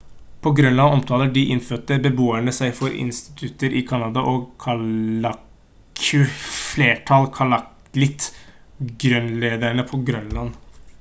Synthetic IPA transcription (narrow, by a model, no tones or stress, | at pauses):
pʰɔɡɾœnlɑnɔmt̪ʰɑːləɖɪʔɪnføːʈəbəboːæɳəsæɪfɔɾɪ̰nst̪ɪ̥t̪ʰʉt̪əɾʔɪkʰɑnɑd̪ɑʔɔkʰɑɑ | kkʰʉfleːʈʰɑlkʰɑlɑk | lɪt̪ | ɡɾœnleːd̪æɳəpʰɔɡɾœnlɑn